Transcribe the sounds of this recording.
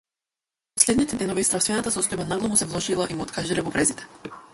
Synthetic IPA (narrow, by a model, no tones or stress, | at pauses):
pɔslʲɛd̪nit̪ɛd̪ɛnɔvist̪ɾafsvɛnat̪asɔst̪ɔjbanaɡlˠɔmusɛvlˠɔʒilˠaʔimuɔt̪kʰaʒilɛvɔvɾɛzit̪ɛ̥